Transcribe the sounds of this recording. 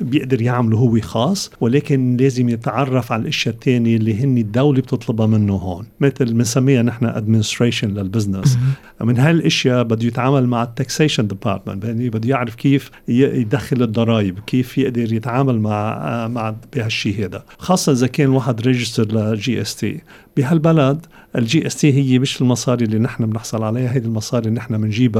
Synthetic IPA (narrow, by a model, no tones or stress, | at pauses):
bjɪʔd̪ɑɾjaʕmaluɦʊwːixɑːsˤːwɪleːkɪnleːzɪmjɪt̪ʕɑrˤːɑfʕalʔɪʃjat̪ʰːeːniʔlːiɦɪnːid̪ːawlib̚t̪ʰɨt̪ˤlɑbɑmɪnːuɦoːnmɪt̪ɪlmɪnsamːiːhanɪħnaʔa̰d̪mɪnɪst̪ɾeːʃɪnlalbɪznɪs | mɪnɦalʔɪʃjabɪd̪ːujɪt̪ʕaːmalmaʕɪt̪ːakseːʃɔnd̪ɪpɑ̰ːɾt̪mɪ̰nt̪bɪibɪd̪ːujaʕɾɪfkiːf | jjd̪axːɪlɪd̪ːɑɾˤɑːjɪbkiːfjɪʔd̪ɑɾjɪt̪ʕaːmalmaʕmaʕb̥ihaʃːiːɦeːd̪a̰xɑːsˤːɑʔɪzakeːnwaːħɪd̪ɾeʒɪst̪ɑɾˤlaʒiːʔest̪ḭː | b̥iɦalbalad̪ | ʔɪld͡ʒiːʔest̪iːɦɪjːemɪʃɪlmɑsˤɑːɾilːinɪħnamnɪħsˤɑlʕalajːaɦajd̪ilmɑsˤɑːɾinɪħnamɪnʒiːba